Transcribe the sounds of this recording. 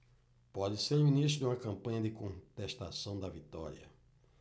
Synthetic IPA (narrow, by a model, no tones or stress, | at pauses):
pɔd͡ʒɪseɾumĩniʃt̪ɾʊd̪ɪũmɐkɐ̃mpɐ̃ɲɐd̪ɪkõnt̪eʃt̪asɐ̃w̃d̪ɐvit̪ɔɾiɐ̰